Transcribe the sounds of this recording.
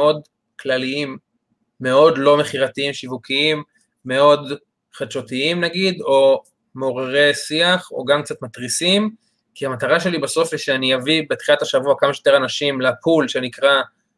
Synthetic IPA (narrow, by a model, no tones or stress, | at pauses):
eo̞d | klaliimː | e̞o̞d̪lo̞me̞χiʁat̪iimʃivukiimː | e̞o̞d̪ | χad̪ʃo̞t̪iimnaɡid̪o̞ | meoʁeʁe̞siaχo̞̰ɡamkt͡sat̪mat̪ʁisim | kiamat̪aʁaʃe̞libaso̞fiʃeanijavibet̪χilat̪haʃavuakamaʃejot̪e̞ʁanaʃimlapulʃe̞nikʁa